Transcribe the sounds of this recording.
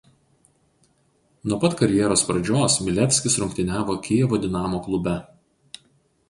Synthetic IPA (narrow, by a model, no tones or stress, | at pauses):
nuɔpɐt̪kɐɾʲjɛɾoːspɾɐd͡ʒʲoːsmʲɪlʲɛt̪ʲsʲkʲɪsɾʊŋkt̪ʲɪnʲæːʋoːkʲɪjɛʋoːd̪ʲɪnɑːmoːklˠʊbʲɛ